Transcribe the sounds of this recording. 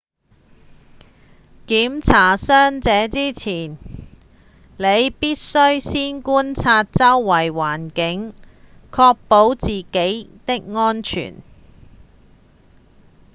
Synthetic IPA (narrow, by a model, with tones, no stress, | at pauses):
kiː˨˥mt͡sʰaː˨˩sœː˥ŋt͡sɛː˨˥t͡siː˥t͡sʰiː˨˩n | le˨˧jpiː˥t̚sɵ˥ɥsiː˥nkuː˥nt͡sʰaː˧t̚t͡sɐ˥wːɐ˨˩jwaː˨˩nkɪ˨˥ŋ | kʰɔː˧k̚po˨˥wt͡siː˨ke˨˥jt̪ɪ˥k̚ŋɔː˥nt͡ʃʰy̰ː˨˩n